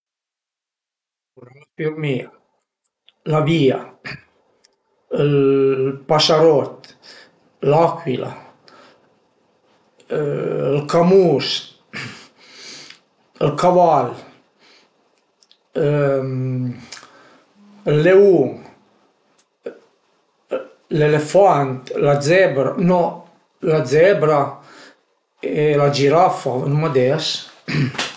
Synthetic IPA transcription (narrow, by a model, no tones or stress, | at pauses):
uɾaŋafiɾmia | lavia | əlpasaɾɔt̪ | lakwila̰ | əlkamus | əlkaval | lːeuŋ | lelefant̪lad͡zɛbɾa̰nɔ | lad͡zɛbɾa | elad͡ʒiɾafanumad̪ɛs